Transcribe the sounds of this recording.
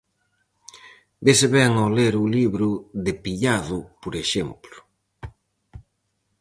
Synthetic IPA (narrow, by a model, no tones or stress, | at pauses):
beseβɛŋoleɾuliβɾʊðepiʎaðʊpoɾeʃemplʊ̥